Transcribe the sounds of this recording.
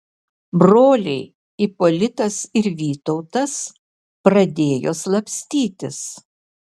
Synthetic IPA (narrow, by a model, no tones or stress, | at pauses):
bɾoːlʲɛɪ | ipɔlʲɪt̪ɐsɪɾʋʲiːt̪ɔʊt̪ɐs | pɾɐd̪ʲeːjo̰ːslˠɐpʲsʲt̪ʲiːt̪ʲɪs